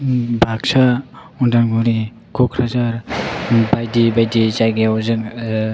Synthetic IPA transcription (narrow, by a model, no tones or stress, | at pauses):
bʱak̚sa | ɔndaŋɡɔɾi | kʰɔkʰɾazaɾ | bajdibajdit͡ʃajɡeazɯŋ